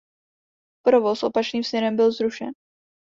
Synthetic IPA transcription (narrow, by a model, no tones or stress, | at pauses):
pɾo̞vosʔo̞pat͡ʃniːmsɲɛɾɛmbɪlzɾuʃɛ̰n